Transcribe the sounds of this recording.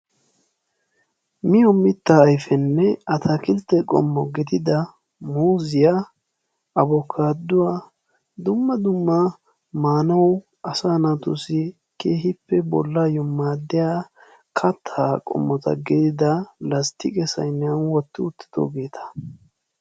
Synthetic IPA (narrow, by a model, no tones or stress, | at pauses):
mɪjɔmɪt̪ːɐːjfɛnːɛɐt̪ʰɐkɪlt̪ːɛkʼɔ̰mːɔɡɪd̪ɪd̪ɐ | muːzɪja | ɐbɔkʰːaːd̪ːʊwa | d̪ʊmːɐd̪ʊmːɐ | maːnɐw | ɐsaːnat̪ʊsɪ | keːɦɪpːɛbɔ̰lːajɔmːaːd̪ːɪja | kʰɐt̪ʰːakʼɔ̰mːɔt̪ɐ̰ɡɪd̪ɪd̪ɐlɐst̪ɪkʼɛsɐ̰jnːɐnwɔt̪ːɪʊt̪ːɪ̥d̪̥o̰ːɡe̞ːt̪ʰɐ̥